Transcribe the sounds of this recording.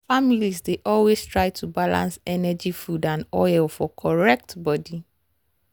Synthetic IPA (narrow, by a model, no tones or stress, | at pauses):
familisdeʔɔlwestʰɹaɪtʰubalã̰nsɛnɛd͡ʒifudãnɔɪlfɔkʰɔɹɛk̚tbɔdi